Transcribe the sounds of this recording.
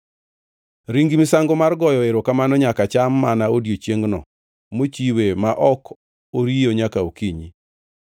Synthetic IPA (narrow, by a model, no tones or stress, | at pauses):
ɾiŋɡimisaŋɡomarɡɔjɔeɾokamanɔɲakat͡ʃamːanaodjot͡ʃjeŋɡnɔ̰ | mot͡ʃiwemaʔɔk | oɾijoɲakaokiɲi